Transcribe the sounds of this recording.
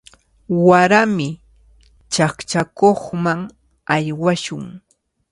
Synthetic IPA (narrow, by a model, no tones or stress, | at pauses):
waɾamɪ | t͡ʃakt͡ʃakoχmaŋ | ajwaʃʊŋ